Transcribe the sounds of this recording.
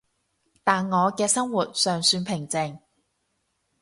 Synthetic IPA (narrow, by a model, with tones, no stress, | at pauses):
t̪aː˨nŋɔː˨˧kɛː˧sɐ˥ŋwuː˨˩t̚sœː˨˩ŋsyː˧npʰɪ˨˩ŋt͡sɪ˨˩ŋ